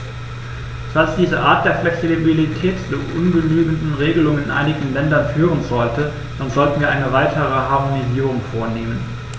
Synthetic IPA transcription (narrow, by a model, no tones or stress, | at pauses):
z̥alsd̥iːzəʔaːɐt̚d̥eːɐflɛksibilitʰɛːtd̥uʔʊnɡənyːɡn̩dn̩ʁeːɡəlʊŋənɪnʔa̰ɪnɪɡŋ̩n̩lɛndɐnfyːʁ̞ənzɔltʰə | d̥anzɔltn̩viːɐʔaɪnəvaɪtʰəʁ̞əɦaɐmoniziːʁʊŋfoːɐneːmən